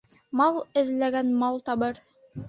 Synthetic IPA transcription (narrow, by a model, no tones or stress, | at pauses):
mɑlˠɘ̆ðlæɡænmɑlˠt̪ɑbɤɾ